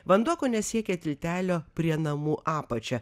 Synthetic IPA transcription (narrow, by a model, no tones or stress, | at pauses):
ʋɐnd̪uɔkoːnʲɛsʲiɛkʲɛt̪ʲɪlʲt̪ʲæːlʲoːpʲɾʲiɛnɐmuːʔɑːpɐt͡ʃʲɛ